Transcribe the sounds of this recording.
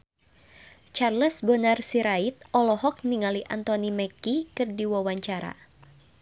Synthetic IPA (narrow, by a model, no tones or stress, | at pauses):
t͡ʃarləsbɔnarsiɾait̪̚ɔlɔɦɔk̚niŋaliʔant̪ɔnimɛkikɨrdiwawaɲt͡ʃaɾa̰